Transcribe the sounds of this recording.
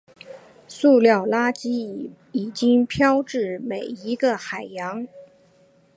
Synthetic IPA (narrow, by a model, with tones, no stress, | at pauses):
su˥˧ljɑ˥˩ʊla˥t͡ɕi˥ | i˨˩t͡ɕi˥ŋpʰjɑ˥ʊʈ͡ʂɻ̩˥˩me˨˩ɪi˧˥ɡə˧xa˨˩ɪjɑ˧˥ŋ